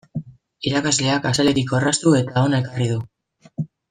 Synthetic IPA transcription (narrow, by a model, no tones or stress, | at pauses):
iɾakazle̞akasale̞ɾiko̞rast̪ue̞t̪ao̞naekarið̞u